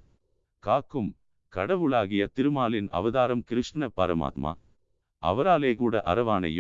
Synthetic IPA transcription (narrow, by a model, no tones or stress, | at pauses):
kaːkːɯm | kɐɽɐʋɯɭaːɣɪjɐt̪ɪɾɯmaːlɪnɐ̰ʋɐðaːɾɐmkɪɾɯʂʈnɐpːɐɾɐ̰ma̰ːt̪ma̰ː | ʔɐ̰ʋɐɾaːleːkuːɽɐʔɐ̰ɾɐʋaːnɐ̰j